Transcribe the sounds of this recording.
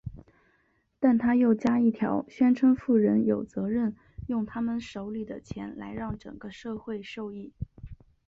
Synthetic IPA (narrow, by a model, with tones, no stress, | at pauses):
t̪a˥˩nt̪ʰa˥jo˥˩ʊt͡ɕja˥i˥˩t̪ʰjɑ˧˥ʊɕɥɛ˥nʈ͡ʂʰɤ˥ŋfu˥˩ɻə˧˥njo˨˩ʊt͡sɤ˧˥ɻə˥˩n | jʊ˥˩ŋt̪ʰa˥mə˨nʂo˧˥ʊli˨˩d̪ə˩t͡ɕʰjɛ˧˥nla̰˧˥ɪɻɑ˥˩ŋʈ͡ʂɤ̰˨˩ŋɡ̥ə˦ʂɤ˥˧xwe˥˧ɪʂo˥˧ʊi˥˩